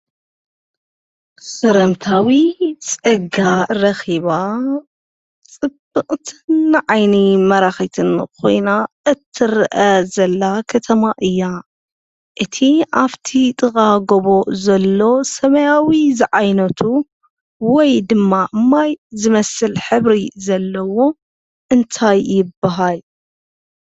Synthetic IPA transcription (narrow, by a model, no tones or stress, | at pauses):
sɐɾɐmt̪ʰawit͡sʼɨɡaɾɐxiβa | t͡sʼɨb̥ɨqʼt̪ʰɨnːʕajnimɐɾaxit̪ʰɨnkʰo̞̰jnaʔɨt̪ʰːɨɾʔɐzɐlːakʰɐt̪ʰɐmaʔɨjːa | ʔɨt̪ʰiʔaβt̪ʰit̪ʼɨɣʼaɡoβo̞ʔzɐlːo̞sɐmɐjawizɨʕajnɐt̪ʰu | wɔjd̪ɨmːaʔɨmːajzɨmɐsɨlħɨβɾizɐlːɐwo̞ | ʔɨnt̪ʰajːɪbːaɦal